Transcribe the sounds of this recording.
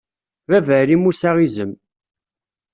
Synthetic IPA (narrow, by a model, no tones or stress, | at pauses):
vævəɾimusaʁizəm